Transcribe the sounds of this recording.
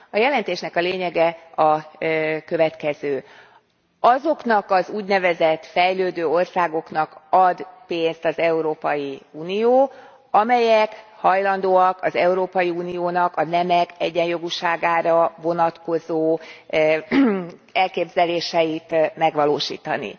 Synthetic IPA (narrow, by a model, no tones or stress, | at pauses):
ɒjɛlɛnt̪eːʃnɛkɒleːɲɛɡɛɒ | kø̞vɛt̪kɛzøː | ɒzo̞knɒkɒzuːɟnɛvɛzɛt̪ːfɛjløːd̪øːo̞rsaːɡo̞knɒkɒd̪peːnst̪ɒzɛuɾoːpɒjiuːnijoː | ɒmɛjɛk | hɒjlɒnd̪oːɒkɒzɛuɾoːpɒjiuːnijoːnɒkɒnɛmɛkɛɟːɛnjo̞ɡuʃaːɡaːɾɒvo̞nɒt̪ko̞zoː | ɛlkeːbzɛleːʃɛjit̪mɛɡʋɒloːʃḭːt̪ɒ̰nḭ